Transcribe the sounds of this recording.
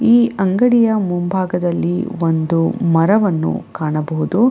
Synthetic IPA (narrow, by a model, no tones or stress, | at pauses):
iːɐŋɡɐɽijɐmumbʱaːɡɐd̪ɐlːḭʋond̪umɐɾɐʋɐnːṵkaːɳɐbɐɦud̪u